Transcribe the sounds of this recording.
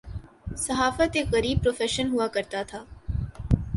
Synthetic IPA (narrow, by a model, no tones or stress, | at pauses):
sɐɦaːfət̪ekɐɾiːb̚pɾoːfɛːʃənɦuakɐɾt̪at̪ʰaː